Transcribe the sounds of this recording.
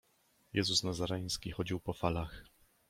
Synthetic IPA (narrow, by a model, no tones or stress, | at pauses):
jɛzusnazaɾɛj̃skʲixɔd͡ʑiwpɔfalax